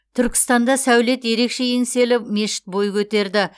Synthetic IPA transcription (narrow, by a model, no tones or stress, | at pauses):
t̪ʰʏɾkʲɪ̥st̪ɑnd̪ɑsæwle̞t̪je̞ɾe̞kʃe̞jense̞lɪpme̞ʃɪ̥t̪̚bo̞jkʲʰɵt̪e̞ɾd̪ɪ